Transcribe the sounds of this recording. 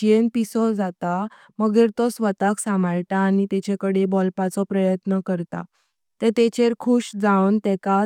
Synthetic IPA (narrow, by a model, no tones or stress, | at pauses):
enpisɔd͡zat̪a | məɡeɾt̪ɔsʋət̪aksamaɭʈaːnit̪ɛt͡ɕekəɽebɔlpat͡sɔpɾəjət̪nəkəɾt̪a̰ | t̪et̪et͡ɕeɾkʰuːɕd͡zawnt̪ɛka